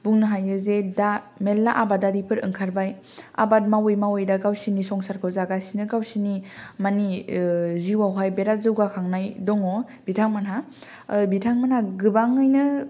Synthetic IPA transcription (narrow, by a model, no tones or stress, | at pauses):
buŋnɯɦajɯzeda | melːaʔabadaɾipʰɯɾɯ̰ŋkʰaɾbaj | a̰bat̚mawojmawojdaɡawsinisɔŋsaɾkʰɯwzaɡasinɯɡawsinimani | ziwawɦajbeɾazɯwɡakʰaŋnajdɔŋɔ | b̥itʰaŋmanɦa | bitʰaŋmanhaɡɯbaŋɯjnɯ